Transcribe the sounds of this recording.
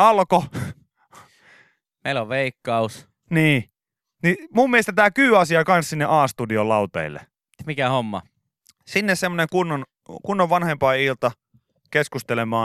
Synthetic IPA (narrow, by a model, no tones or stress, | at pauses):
ɑlko | meiloʋʋeikːɑus | niː | nimummiest̪æt̪æːkyːɑsiɑkɑnssinːeʔɑːst̪udiolɑut̪ḛilːḛ | mikæhomːɑ̰ | sinːessemːoneŋkunːon | kunːoʋʋɑnhempɑːilt̪ɑ | keskust̪elemɑː